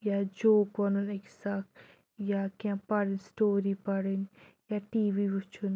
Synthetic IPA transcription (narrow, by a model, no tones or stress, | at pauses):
jad͡ʒoːkʋɐnuneksak | jakãpɐɽinsʈoːɾipɐɽinjaʈiːʋiʋut͡ʃʰun